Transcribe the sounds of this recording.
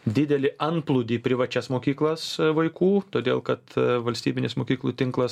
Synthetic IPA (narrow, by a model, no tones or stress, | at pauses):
d̪ʲɪd̪ʲɛlʲɪʔɐnplˠʊd̪ʲiːpʲɾʲɪʋɐt͡ʃʲɛsmoːkʲiːklˠɐsʋɐɪkuːt̪oːd̪ʲeːlˠkɐt̪ʋɐlʲsʲt̪ʲiːbʲɪnʲɪsmoːkʲiːklˠuːt̪ʲɪŋklˠɐs